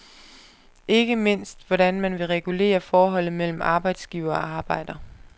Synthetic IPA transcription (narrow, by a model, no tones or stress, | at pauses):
e̝ɡ̥əme̝n̰sd̥ʋɒɾænmænʋe̝ʁɛɡ̥ule̝̰ːɐfɒːɦɒ̽l̰ð̩ˠmel̰m̩ɑ̈ːb̥ɑ̈ɪd̥sɡ̥iːʊɐɒɑ̈ːb̥ɑ̈ɪ̰d̥ɐ